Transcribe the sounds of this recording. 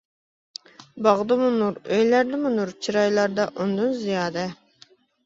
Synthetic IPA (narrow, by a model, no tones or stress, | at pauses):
bɑʁd̪ɨmunuɾøjlæɾd̪ɪmunuɾt͡ʃʰiɾɑjlˠɑɾd̪ɑʔund̪unzijɑːd̪ɛ